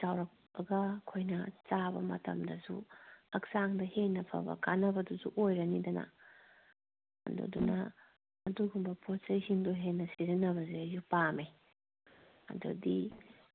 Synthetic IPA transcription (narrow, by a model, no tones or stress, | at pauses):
sawɾɐk̚bɐɡɐkʰojnɐt͡ʃabɐ̰mɐ̰tɐ̰mdɐsṵɐk̚saŋdɐhenːɐpʰɐ̰bɐ̰kanɐbɐduzuʔojɾɐnidɐnɐ̰ | ɐ̰dṵdunɐ̰ː | duɡumbɐpʰosɐjhiŋduɦenːɐsiɾinɐβɐzeɐjupame | ɐ̰dṵdi